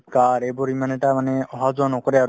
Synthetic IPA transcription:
kaɾebɔɾimaneʈamaneɔɦad͡ʒɔnɔkɔɾɛaɾ

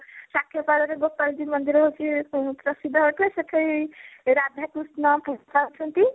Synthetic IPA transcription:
sakʰjepaɾoɾeɡopald͡ʒimənd̪iɾɦokepɾəsid̪ʱːəɦoʈ̪eset̪ʰəiɾad̪ʱakust̪nampukat͡ʃʰunt̪i

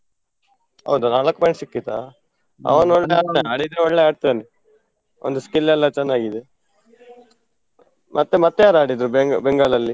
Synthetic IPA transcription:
ɐ̰wd̪unaːlɐkːpɐjiɳʈsikːit̪a̰ | ɐ̰ʋɐnoɭːeaneaːɽid̪eɔɭːeaːɽt̪iɐni | o̰nd̪uskilːɛlːɐt͡ʃɛnːaːɡid̪e | mʔɐt̪ːemɐt̪ːejaːɾaːɽid̪ɾubeɡbɛŋɡaːɭɐlːi

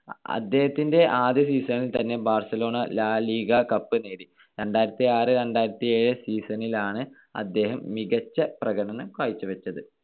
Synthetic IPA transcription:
ɐ̰d̪ːe̞ːhɐt̪ːindeʔaːd̪jɐsiːsɐnilt̪ɐnːe̞baːrsɐlo̞ːɳɐlaːliːɡɐkɐpːɨneːɾi | ɾeɳɖaːjiɾɐt̪ːiaːrɨɾe̞ɳɖaːjɾɐt̪ːieːɻɨsiːsɐnilaːɳɨ | ɐ̰d̪ːe̞ːɦɐmːiɡɐt͡ɕːɐprɐɡɐɳɐnɐmkʋaːjt͡ɕːɨʋɐt͡ɕːɐðɨ

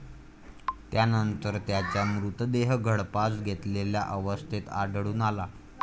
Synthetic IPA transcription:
t̪janənt̪əɾt̪jat͡ɕjamɾut̪d̪eɦɡʱəɽpasɡʱet̪lelja̰ʔəʋəst̪ʰit̪aɖɭuːnala

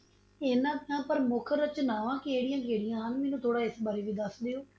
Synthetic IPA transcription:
eːnãːãːpəɾmʊkʰəɾət͡ʃnaːʋãːkeːɽijãːkeːɽijãːɦənmeːnũːt̪ʰoːɽaːɪsbaːɾeːʋiːd̪əsd̪eːoː

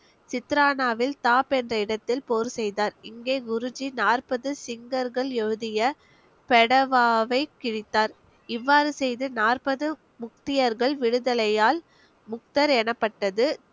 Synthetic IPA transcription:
sɪt̪ɾaːnaːʋɪlt̪aːpɛndrɐɪɽɐt̪ːɪlpoːɾɯsɛjðaːɾɪŋɡeːɡʊɾʊd͡ʒinaːrpɐðɯsɪŋɡɐɾɣɐɭɛɻɯðɪjɐ | pɛɽɐʋaːʋɐɪkːɪɻɪt̪ːaːɾ | ɪʋːaːɾɯsɛjðɯnaːrpɐðɯ | mʊk̚t̪ɪjɐɾɣɐɭʋɪɽɯðɐlɐjaːl | mʊk̚t̪ɐɾɛnɐpːɐʈːɐðɯ

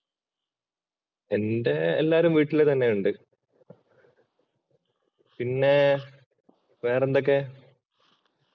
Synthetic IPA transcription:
e̞nde̞ːlːaːɾumʋiːʈːilet̪ɐnːejuɳɖɨ | pinːe̞ | ʋe̞ːrend̪ok̬ːe̞

